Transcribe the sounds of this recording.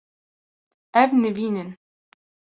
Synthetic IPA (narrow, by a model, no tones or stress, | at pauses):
ævnɘvinʲɘn